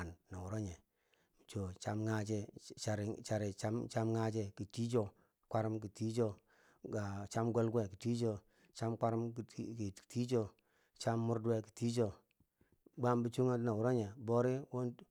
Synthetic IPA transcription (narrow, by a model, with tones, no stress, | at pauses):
nːa˨wu˨ɾo˦ɲe˨ | mi˨t͡ʃo˨t͡ʃa˦mŋa˦t͡ʃɛ˦t͡ʃa˨ɾi˨t͡ʃa˨ɾi˨t͡ʃa˦mt͡ʃa˦mŋa˦t͡ʃe˦ki˨ti˦d͡ʒo˦ | kʷa˦ɾi˦mki˨ti˦d͡ʒo˦ | ɡa˨t͡ʃa˦mɡo˦lɡe˦˨ki˨ti˦d͡ʒo˦ | t͡ʃa˦mkʷa˦ɾm˨kti˦d͡ʒo˦ | t͡ʃa˦mːu˦ɾdwe˦ki̥˨ti˦d͡ʒo˨ | ɡ͡ba˦mbi˦t͡ʃu˦ŋa˦na˨wu˨ɾo˦ɲe˨bo˦ɾi˦wo˦n